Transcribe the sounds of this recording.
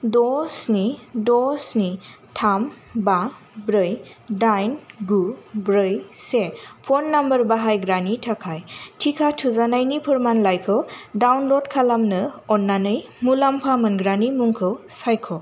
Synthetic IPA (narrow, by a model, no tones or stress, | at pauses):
dɔsnidɔsni | tʰam | ba | bɾɯjdajnɡubɾɯjsepʰɔnːambəɾbaɦajɡɾanitʰakʰajtʰikʰatʰuzanajnipʰɯɾmanlajkʰɯwdawnlɔdkʰalamnɯɔnːanɯjmulampʰamɯnɡɾanimuŋkʰɯwsajkʰɔ